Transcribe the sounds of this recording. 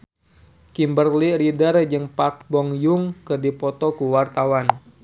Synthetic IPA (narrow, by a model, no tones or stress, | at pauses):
kimbərliridərd͡ʒɨŋpak̚bɔŋjuŋkɨrdipɔt̪ɔkuwart̪awan